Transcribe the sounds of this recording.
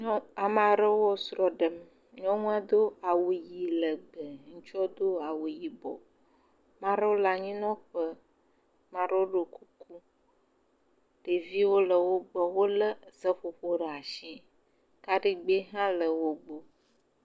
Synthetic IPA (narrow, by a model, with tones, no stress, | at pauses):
ɲɔ˦a˨mã˨ɾə˦wɔ˦sɾɔ˨ɖə˨m | ɲɔ̃˦ŋũ˦a˦d̪o˦a˨wo˨ji˨lə˨ɡ͡bə˨ŋũ˦t͡ʃɔ˦d̪o˦a˨wo˨ji˨bɔ̰˨ | mã˦ɾə˦wo˦la˨ɲĩ˦nɔ̃˦ɸə˦ | mã˨ɾo˦o˦ɖo˨ku˦ku˦ | ɖ̥e˨vi˦wo˦lə˨wo˦ɡ͡bɔ˨wo˦lə˦zə˦ɸo˨ɸo˦ɖə˨a˨ʃĩ˦ | ka˦ɖi˦ɡ͡be˦ɦã˦lə˨wo˦ɡ͡bo˨